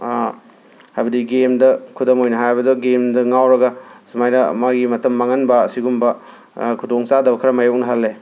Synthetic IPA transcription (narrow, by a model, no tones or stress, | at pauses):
hajbɐdiɡemdɐkʰudɐmojnɐɦajbɐduɡemdɐŋawɾɐɡɐsɐmajnɐ̰maɡimɐtɐmːaŋɐnbɐːsiɡumbɐ | kʰudoŋt͡ʃadɐbɐkʰɐɾɐmajok̚nɐɦalːe